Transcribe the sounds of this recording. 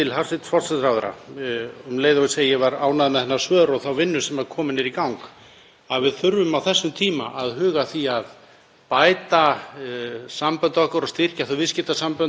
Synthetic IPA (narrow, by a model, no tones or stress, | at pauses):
t̪ʰɪlhaɾ̥sɪt̪fɔlsɛɾawðʏɾa̰ | mleːjðaʏseːjjɛvaɾaːwnaðmɪðɛnːasvœːðɾɔɣθawvɪnːʏsɛmaɾ̥kʰɔːmɪnːɪɾikawŋk | aðvɪðθʏɾvʏmawθɛsːʏmt̪ʰiːma̰ʔaðɦʏːɣaθiað | pajt̪a | sampœnt̪ɔhkɔɾɔst̪ɪr̥caθuvɪscɪt̪asampœn